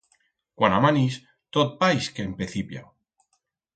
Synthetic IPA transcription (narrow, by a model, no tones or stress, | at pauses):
kwanamanis | t̪ot̪̚pajskeːmpeθipja̰